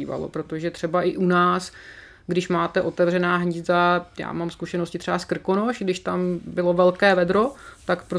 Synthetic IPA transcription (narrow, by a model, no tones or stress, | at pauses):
iːva̰lo̰pɾo̞t̪oʒɛt̪r̥ɛbaʔɪʔunaːs | ɡdɪʃmaːt̪ɛʔo̞t̪ɛvr̝ɛnaːɦɲɪzd̪aja̰ːmamskuʃɛnoscɪt̪rɛbaskr̩kono̞ʃɡdɪʃt̪ambɪlo̞vɛlkɛːvɛd̪ɾo̞t̪akpɾo